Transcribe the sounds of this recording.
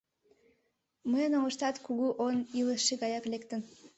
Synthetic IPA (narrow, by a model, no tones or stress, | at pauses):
məjənoɣəʃt̪ɑt̪kuɣuʔoniləʃːeɣɑjɑklekt̪ən